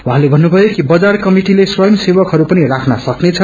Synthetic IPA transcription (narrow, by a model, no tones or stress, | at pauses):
wuɦãlebʱʌnːubʱʌjokibʌd͡zarkʌmiʈileswʌjʌmsebʌkɦʌɾupʌnirakʰnʌsʌknet͡sʰʌ